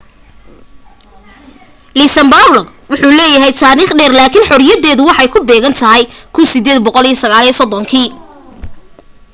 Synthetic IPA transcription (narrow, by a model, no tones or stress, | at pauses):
liːsɐmbarlɔ | wʊħuːlɛːjɐɦɛjt̪ʰaːɾiːχɖɛːrlaːkʰɪnħɔɾjɐðɛːðʊwɑħɑjkʰʊbɛːɣɐnt̪ʰɐɦɛjkʰʊnsɪd̪ɛːd̪̚bɔqɔlijɐsɐɣaːliːsɔd̪ɔŋkʰiː